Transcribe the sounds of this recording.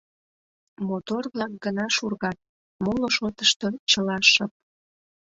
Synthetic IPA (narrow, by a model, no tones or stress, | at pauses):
mot̪orβlɑk̚ɡənɑʃurɣɑt̪̚ | moloʃot̪əʃt̪ot͡ɕəlɑʃəp̚